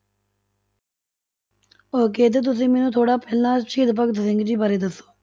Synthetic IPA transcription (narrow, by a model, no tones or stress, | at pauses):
oːk̬eːt̪̬eːt̪̬ʊsĩːmɛːnũːt̪ʰoːɽaːpɛːlnãːʃiːd̪pəkd̪sɪŋɡd͡ʒiːbəɾeːd̪əsːo̥ː